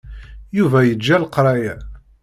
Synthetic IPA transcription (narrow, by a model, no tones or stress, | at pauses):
juvæjəd͡ʒːælqɾˤɑjæ